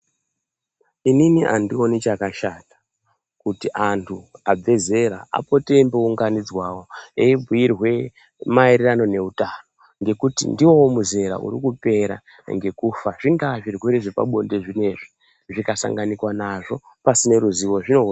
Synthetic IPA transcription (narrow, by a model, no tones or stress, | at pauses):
ininiʔa̰ndio̞nit͡ʃakaʃaːtḁ | kutiʔantʰuab͡ve̞ze̞ɾa̰a̰po̞te̞mbeuŋɡanid͡zwawo̞eibʱiirɦwe̞ | mairerano̞ne̞utano̞ | ŋɡe̞kutḭndiwo̞womuze̞ɾa̰ʔṵɾikupe̞ɾa̰ | ŋɡe̞kufaʐiŋɡaʐirweɾiʐipa̰ɓo̞nde̞ʐine̞ʐi | ʐikasa̰ŋɡanikwanaʐo̞ | pasine̞ɾuziʋo̞ʐino̞